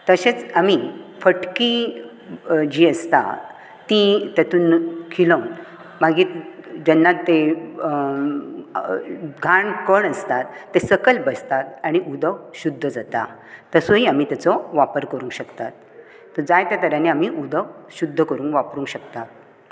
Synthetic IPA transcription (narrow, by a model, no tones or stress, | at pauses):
t̪əɕet͡samifəʈki | d͡ʑiːəst̪a̰ | t̪it̪jat̪uːnkʰiloŋ | maɡiːd͡ʑənːat̪ːe | ɡʱaɳkəɳəst̪at̪ːesəkəlbəst̪at̪̚aɽ̃iʔud̪ʱəɕud̪ʱːəd͡zat̪a̰ | t̪əsoɦiːamiːt̪jat͡sɔʋapəɾkəɾũːŋkɕəkt̪at̪̚ː | əɾd͡zajt̪jat̪əɾjaniamiːʔud̪ʱəɕud̪ʱːəkəɾuːŋkʋapɾuːŋkɕəkt̪at̪̚